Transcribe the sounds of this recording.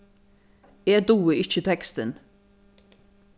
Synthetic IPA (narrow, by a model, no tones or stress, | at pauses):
eːd̪uːəɪçət̪ʰɛkst̪ən